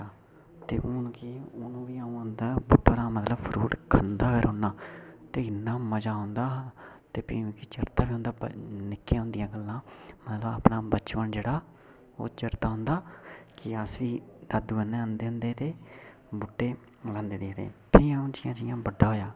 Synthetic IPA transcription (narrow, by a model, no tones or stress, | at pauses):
aː | t̪eːʔʊnkiʊnũːʋiːaːũːɦʊnd̪aːbʊʈːoːɾãːmət̪ləbpʰɾuːʈkʰənd̪aːkʰeːɾɦoːnːaːt̪eːɪnãːməd͡ʒaːɦʊ̃nd̪aː | t̪eːpʰĩːkiːt͡ʃəɾt̪aːbiːʊ̃nd̪aːnɪkːeːɦʊ̃nd̪ɪjãːɡəlːãːmət̪ləba̰ːpnãːbət͡ʃʋəɳd͡ʒeːɽaː | o̰ːt͡ʃəɾt̪aːɦʊ̃nd̪aːkɪəsʋiːd̪aːd̪uʋənːẽːə̃nd̪eːɦʊ̃nd̪eːt̪eː | bʊʈːeː | lãːnd̪eːd̪eːt̪ḛːpʰiːəũːd͡ʒɪjãːd͡ʒɪjãːbəɖaːɦoːjaː